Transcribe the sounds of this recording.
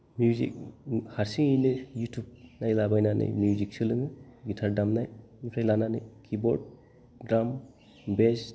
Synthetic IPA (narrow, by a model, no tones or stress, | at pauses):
mjuzḭk̚haɾsiŋijnɯjutʰub̚najlabajnanʔɯ̰jmjuzik̚sɯlɯŋɯɡitʰaɾdamnaj | nipʰajlananɯ̰jkʰibɔɾd̚ | ɡɾam | bes